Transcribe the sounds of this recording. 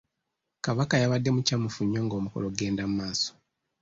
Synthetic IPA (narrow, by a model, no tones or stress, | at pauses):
kaβakajaβadːe̞mucamufuɲːoːŋɡo̞ːmukolo̞ɡe̞ːndamumaːso̥